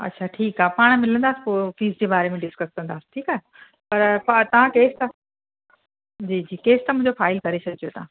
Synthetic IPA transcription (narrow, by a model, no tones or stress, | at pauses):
ɐ̰tːɕʰaʈʰiːkaːpaːɽ̃mɪlə̃nd̪aːsi̥poːfiːsd͡ʑeːbaːɾemẽɖɪskəskɐ̃nd̪aːsi̥ʈʰiːkaːe | pɐɾpat̪ɐʋ̤ãkeːst̪a | d͡ʑiːd͡ʑiːkeːst̪ɐmʊ̃ɪ̃ɲd͡ʑofaːɪlkɐɾesʰɐɡʱd͡ʑijot̪ɐʋã